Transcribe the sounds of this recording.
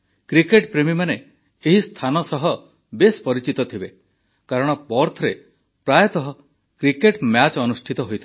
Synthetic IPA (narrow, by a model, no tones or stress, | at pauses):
kɾikeʈpɾemimane | eɦist̪ʰanɔsɔɦɔ | bespɔɾit͡ʃit̪ɔt̪ʰibe | kaɾɔɽ̃ɔpɔɾt̪ʰɔɾe | pɾajt̪ɔɦɔ | kɾikeʈmjat͡ʃɔnusʈʰit̪ɔɦojt̪ʰa